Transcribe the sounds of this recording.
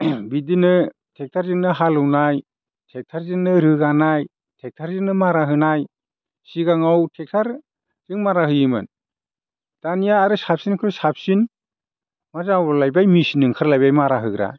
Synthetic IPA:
bidinɯ | tʰek̚tʰaɾzɯŋnɯɦalɯwnaj | tʰek̚tʰaɾzɯŋnɯɾɯɡanaj | tʰek̚tʰaɾzɯŋnɯmaɾaɦɯnaj | siɡaŋawtʰek̚tʰaɾ | zɯŋmaɾaɦɯjɯmɯ̰n | d̥anijaːɾɯsap̚sinkʰɯɾsap̚sin | mazawalajbajmisinɯŋkʰɯɾlajbajmaɾaɦɯɡɾa̰

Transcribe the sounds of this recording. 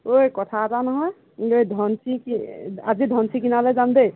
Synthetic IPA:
ojkɔʈʰat̪anɦɔj | ojd̪ʱɔnsʰikia̰d͡ʒid̪ʱɔnsikinaled͡ʒand̪e

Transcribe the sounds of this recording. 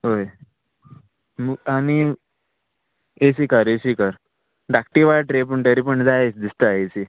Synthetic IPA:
ɦoj | məani | esiːkəɾesikəɾ | ɾak̚ʈiʋaɭʈɾep̬əɳʈəɾipəɳd͡zajet͡sd̪ist̪əesi

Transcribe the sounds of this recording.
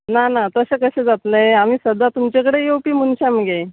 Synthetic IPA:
nanat̪əɕekəɕed͡zat̪nəjamiːsəd̪at̪umt͡ɕek̬əɽejepiːmunɕaməɡe

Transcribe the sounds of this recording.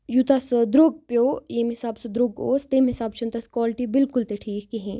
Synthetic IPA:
jut̪ɐsd̪ɾoːɡ̚pjoːeːmɦɪsaːbsɐd̪ɾoːɡo̰ːst̪eːmɦɪsaːbt͡ʃʰɐnt̪ɐskwaːlɪʈibɪlkʊlt̪eʈʰiːkkiɦẽː

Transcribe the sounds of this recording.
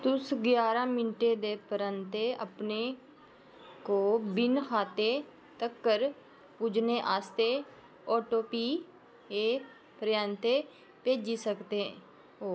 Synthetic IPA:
t̪ʊsɡjaːɾãːmɪnʈeːd̪eːpəɾənt̪eʔəpneː | koːbɪnkʰaːt̪e | t̪əkːəɾ | pud͡ʒneːʔaːst̪eː | ɔːʈoːpiː | eː | pɾjaːnt̪e | peːd͡ʒisəkt̪eɛ̃ː | oː

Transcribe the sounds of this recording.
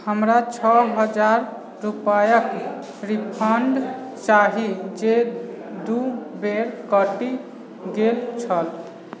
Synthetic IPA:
həmɾat͡ʃʰɔɦəd͡ʒaɾ | ɾupajək | ɾipʰəɳɖt͡ʃaɦid͡ʒed̪ubeɾkəʈi | ɡelt͡ʃʰəl

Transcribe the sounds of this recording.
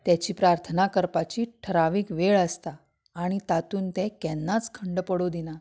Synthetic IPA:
t̪jat͡ɕiːpɾaɾt̪ʰənakəɾpat͡ɕiːʈʰəɾaʋiːkʋeɭəst̪aː | ɽ̃it̪at̪uːnt̪ɛ̃kɛnːat͡skʰəɳɖpəɽod̪ina

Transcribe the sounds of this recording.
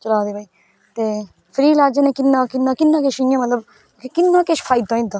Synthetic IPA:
t͡ʃəlaːd̪eːbʱaːiː | t̪eː | pʰɾiːlaːd͡ʒenẽːkɪnːãːkɪnːãːkɪnːãːkeʃjãmət̪ləb | kekɪnːãːkeʃpʰaːɪd̪õːĩːd̪aː

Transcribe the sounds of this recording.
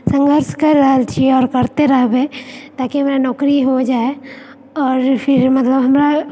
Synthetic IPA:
sɐ̃ŋɡʱəɾʃkɐɾːɐɦat͡ʃʰieɔːɾkɐɾt̪eɾɐɦbeːt̪aːkiɦɐmɾanɔːkɾiɦod͡ʒaːe | ɔːɾpʰɪɾmɐt̪ləbɦɐmɾa

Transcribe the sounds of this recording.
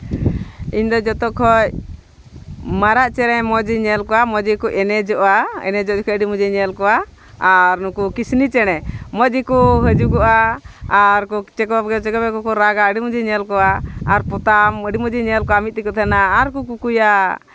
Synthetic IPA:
iɲd̪ɔd͡ʒɔt̪ɔkʰɔj | maɾaʔt͡ʃɛɾɛmɔd͡ʒiɲɛlkɔwamɔd͡ʒikuʔɛnɛd͡ʒɔʔaɛ̰nɛd͡ʒɔʔd͡ʒɔkʰɔəɖimud͡ʒiɲɛlkɔaː | ɾnukukisnit͡ʃɛɽ̃ɛmɔd͡ʒikuɦəd͡ʒuɡɔʔaː | ɾkɔt͡ʃɛkɔɡɛt͡ʃɛkɔbɛkɔkɔɾaɡaəɖimud͡ʒiɲɛlkɔaaɾpɔt̪aməɖimɔd͡ʒiɲɛlkɔamit̪̚t̪ikɔt̪ʰanaːɾkukukuja

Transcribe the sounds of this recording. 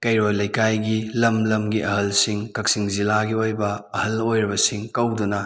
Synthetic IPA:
kɐjɾojlɐjkajɡilɐmlɐmɡiʔɐhɐlsiŋkɐk̚siŋzilaɡiojbɐɐhɐlojɾibɐsiŋkɐwdunɐ

